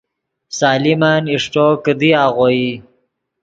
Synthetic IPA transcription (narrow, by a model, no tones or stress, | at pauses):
saːlimaniʂʈokəd̪iaːɣoji